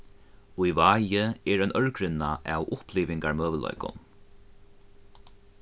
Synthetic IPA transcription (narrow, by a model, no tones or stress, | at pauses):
ujvaːjɪɛɹœjnœɹkɾɪnːaʔawʔʊhpliːʋɪŋkaɹmœːʋəlɔ̰jkʊ̰n